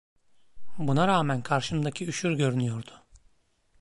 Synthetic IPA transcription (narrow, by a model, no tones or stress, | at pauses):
bunaɾaːmænkʰaɾʃɯmd̪acʰiyʃyɾɟø̞ɾynyjo̞ɾd̪ʊ